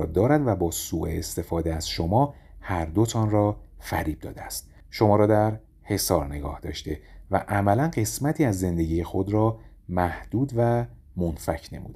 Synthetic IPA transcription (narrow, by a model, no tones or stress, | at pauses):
ɒːd̪ɒːɾæd̪væbɒːsuːʔeest̪e̞fɒːd̪eæz̥ʃomɒː | hæɾd̪o̞t̪ʰɒːnrɒːfæɾiːb̚d̪̥ɒ̰ːd̪eæst̪̚ | ʃo̞mɒːɾɒːd̪æɾ | he̞sɒːɾne̞ɡɒ̰ːhd̪ɒ̰ːʃt̪e̞væʔæmælænɢe̞smæt̪ʰiːæzːe̞nd̪e̞ɟiːjexo̞d̪ɾɒː | mæhd̪̥uːd̪væ | monfæcʰne̞̰mṵd̪